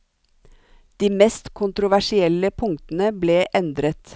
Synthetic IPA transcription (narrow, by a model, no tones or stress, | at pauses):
d̪̥iːmɛst̪kʰʊnt̪ɾʊʋæʃɪɛləpʰʊŋt̪n̩əbleːʔɛnd̪ɾət̪